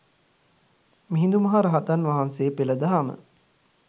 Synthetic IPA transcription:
miɦĩnd̪umɐɦaɾaɦat̪anʋaɦanseːpeləd̪aɦamə̰

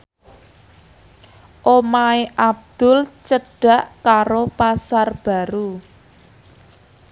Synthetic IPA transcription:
ʔomaeʔab̚d̪̥ʊlt͡ʃəɖ̥a̤ʔkaɾopasarb̥a̤ɾu

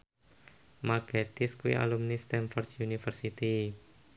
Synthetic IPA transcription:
maɡet̪iskuwḭʔa̰lumnist̪ɛnfɔrt̪junifərsit̪i

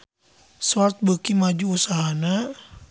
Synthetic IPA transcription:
sart̪̚bəkimad͡ʒuːsaɦana

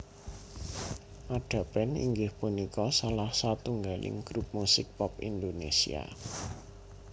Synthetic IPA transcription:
ʔaɖ̥a̤b̥ɛnḭŋɡɪhpunikɔsalahsat̪uŋɡalɪ̰ŋɡ̥ɾup̚musɪk̚pɔpind̪onesḭa̰

